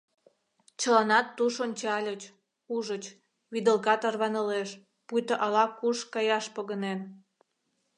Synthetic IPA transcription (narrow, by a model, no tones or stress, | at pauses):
t͡ɕə̆lɑnɑt̪ːuʃont͡ɕɑlʲət͡ɕ | uʒət͡ɕ | βid̪əlkɑt̪ɑrβɑnə̆leʃ | pujt̪əʔɑlɑkuʃkɑjɑʃpəɣənen